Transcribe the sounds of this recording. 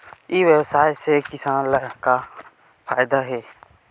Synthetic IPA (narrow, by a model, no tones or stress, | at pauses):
iːʋjəwsaːjsekɪsaːnlaka | fʰaːɪd̪aɦɛː